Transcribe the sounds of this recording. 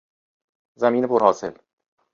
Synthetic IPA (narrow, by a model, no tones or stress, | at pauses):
zæmiːnepʰoɾhɒːse̞̰l